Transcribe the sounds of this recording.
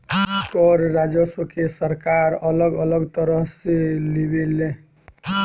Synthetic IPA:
kɔɾɾad͡ʒəsəkesəɾkaɾələɡələɡt̪əɾəɦselebele

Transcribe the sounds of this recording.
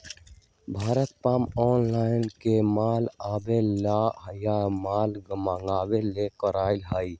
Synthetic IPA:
bʱaːɾət̪̚paːmɔːnlaːɪnkemaːlaːbelaːjamaːlɡəmaːŋɡaːweleːkəɾaːɪlɦaːiː

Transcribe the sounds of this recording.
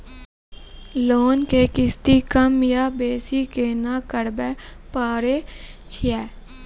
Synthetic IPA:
loːnkeːkɪst̪ikəmjaːbeːsikeːnaːkəɽbɛpaːɾet͡ʃʰiɛː

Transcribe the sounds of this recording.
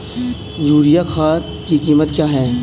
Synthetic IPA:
zuːɾijaxaːt̪kikiːmət̪kjaːɦɛː

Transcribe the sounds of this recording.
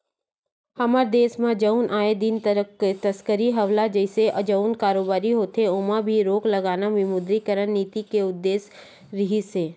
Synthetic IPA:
hɐməɾd̪eːsmãd͡ʒəʊnʔaːed̪ɪnt̪t̪əskəɾiɦɐʋlad͡ʒəɪseʔɐd͡ʒəʊnkaːɾoːbaːɾiɦoːt̪eʊmabʱiɾoːklɐɡaːnamɪmʊd̪ɾikəɾənniːt̪ikeʊd̪ːeːs | ɾɪɦiseː

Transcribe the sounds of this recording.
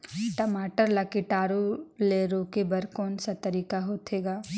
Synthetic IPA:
ʈəmaːʈəɾlakɪʈaːɾoleɾoːkebɐɾkɔːnsat̪ɐɾiːkaɦoːt̪ʰeːɡaː

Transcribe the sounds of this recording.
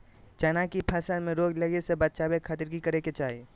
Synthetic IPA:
t͡ʃɐnãkipʰəsəɾmẽɾoːɡləɡesebət̪̚t͡ʃaːbekʰat̪ɪɾɡikɐɾeket͡ʃaːɦi

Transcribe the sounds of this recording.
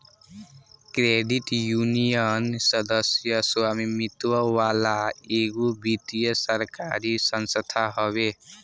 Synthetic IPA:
kɾeɖiʈjunijənsʌd̪əsjʌswamimit̪wəwalaeɡubit̪ijəsəɾkaɾisənsət̪ʰaɦɔβe

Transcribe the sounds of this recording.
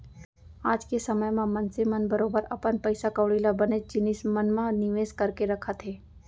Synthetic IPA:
aːd͡ʒkesɐməjmãmɐnsemənbɐɾoːbəɾɐ̰pənpəɪsakəːɽiːlabɐned͡ʒɪnismənmãnɪʋeːskɐɾkeɾɐkʰət̪ɦeː

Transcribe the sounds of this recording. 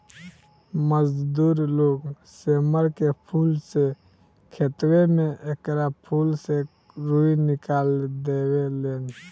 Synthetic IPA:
məd͡ʒd̪uɾloɡ | seməɾkepʰulse | kʰet̪wemeʔekɾapʰulse | ɾuinikald̪ewelen

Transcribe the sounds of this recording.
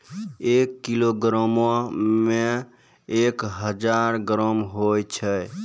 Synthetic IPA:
ekːiloɡɾəmome | ekɦəd͡ʒaɾɡɾəmɦojt͡ʃʰə

